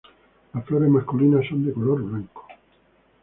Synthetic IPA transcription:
lafloɾemaskuliːnasond̪ikoloɾblɛŋko̥

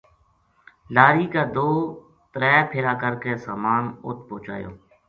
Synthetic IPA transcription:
laːɾiːkaːd̪oː | t̪əɾɛːpʰɪɾaːkəɾkeːsaːmaːnʊ̰t̪̚põːt͡ʃa̰ːjo̰ː

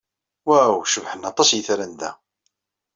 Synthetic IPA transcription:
wæwʃəvħənɑt̪ˤːɑsjəθɾənd̪æ̰

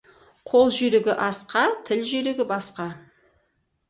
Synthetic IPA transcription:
qʰolˠʒʏɾɪɡʲɪʔɑsqɑt̪ʰɪlʒʏɾeɡʲɪbɑsqɑ

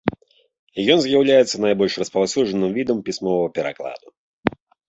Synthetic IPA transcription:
jɔnzjawlʲajɛt̪sɐnajbɔlʲʂrɐspawsʲuʐɐnɨmvʲid̪ɐmpʲisʲmɔvɐɐpʲɛɾa̰klˠa̰d̪u

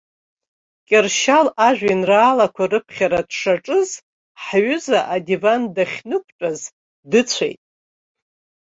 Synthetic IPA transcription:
kʲʼɪrʃalaʒᶣʷinraːlakʷʰarɨpʰχʲaɾadʂaʈ͡ʂʼɨz | ħɥʏzaʔadivandaχʲnɨk̚ʷʰʼʈ͡ʂʼaz | dɨt͡sʷʰḛjtʼ

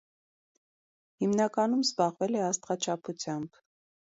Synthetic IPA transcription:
himnɑkɑnumzbɑʁvɛlɛɑst̪ʁɑt͡ʃʰɑpʰut͡sʰjɑmb̥

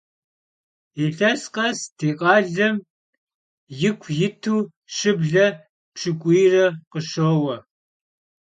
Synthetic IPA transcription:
iɬɐsqɐstʰeːqʼɑːɮɐm | jɪkʷʰjɪtʰuː | ʃɪbɮɐ | pʂʰɨkʷʼijrɐqəʃoːwɐ

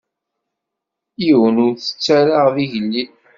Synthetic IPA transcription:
iwənʊɾθə̥t͡sːæɾaʁðiʝəlːi

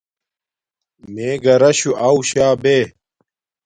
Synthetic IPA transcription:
meːɡɐɾɐɕuʔauɕaːbeː

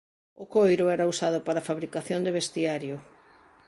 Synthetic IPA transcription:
ʊkojɾʊɛɾausaðʊpaɾafaβɾikaθjond̪ɪβest̪iaɾjʊ

